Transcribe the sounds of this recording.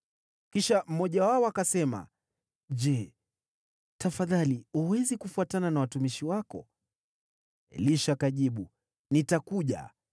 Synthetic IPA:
kiʃam̩mɔʄawaɔakasɛma̰ | ʄɛ | tafaðaliuwɛzikufuatananawatumiʃiwakɔ̰ | liʃakaʄiɓu | nitakuʄa̰

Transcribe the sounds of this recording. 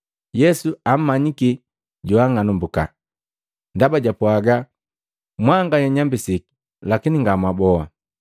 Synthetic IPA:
jɛsuam̩maɲiki | ɟɔaŋanumbuka̰ | ndabaɟapuaɡa | mwaŋɡajɛɲambisiki̥ | lakiniŋɡamwabɔa

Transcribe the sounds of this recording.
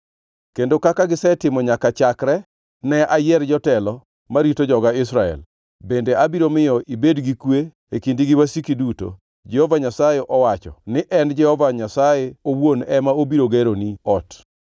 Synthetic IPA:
kendokakaɡɪsɛtɪmɔɲakat͡ʃakɾɛ | nɛʔajɛrd͡ʒɔtɛlɔ | maɾitod͡ʒɔɡaɪsɾaɛ̰l | bendeʔabiɾomɪjɔʔibedɡikwe | ekindiɡɪwasikiduto̰ | d͡ʒɛhovaɲasajeʔɔwat͡ʃɔ̰nɪʔɛnd͡ʒɛhɔvaɲasajeowwonɛmaobiɾoɡeɾoniɔt

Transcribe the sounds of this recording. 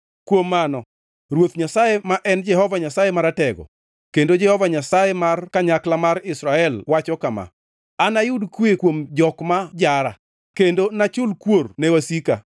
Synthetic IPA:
kwomːanɔ | rwot̪ɲasajemaʔɛnd͡ʒɛhɔvaɲasajemaɾatɛɡɔ̰ | kendod͡ʒɛhɔvaɲasajemarkaɲaklamaɾɪsɾaɛlwat͡ʃɔkama̰ | anajʊdkwekwomd͡ʒɔkmad͡ʒaɾa̰ | kendonat͡ʃʊlkwornɛwasika̰

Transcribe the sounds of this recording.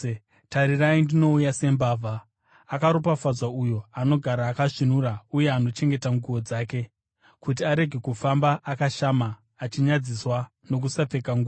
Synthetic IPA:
taɾiraindino̞ujase̞mbaːvʱaː | kaɾupafazwaujo̞ano̞ɡʱaɾaːkaʂinuɾauje̞ano̞t͡ʃe̞ŋɡe̞taŋɡuo̞d͡zaːke̞ | kut̬iaɾe̞ɡʱe̞kufambaʔakaʃamaː | t͡ʃiɲad͡ziswa | no̞k̬usap͡fe̞kaŋɡuo

